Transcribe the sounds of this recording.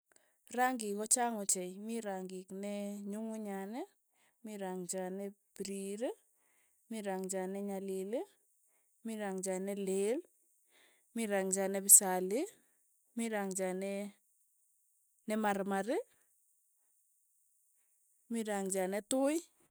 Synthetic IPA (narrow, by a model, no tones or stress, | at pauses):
raŋɡikɔt͡ʃaŋot͡ʃɛjmiɾaŋɡɪknɛɲuŋuɲanɛ | miɾaŋt͡ʃanɛpiɾiɾe | miɾaŋd͡ʒanɛɲalile | miɾaŋd͡ʒanɛlel | miɾaŋd͡ʒanɛbɪsalɪ | miɾaŋd͡ʒanɛ | nɛmaɾmaɾɪ | miɾaŋd͡ʒanɛtʊj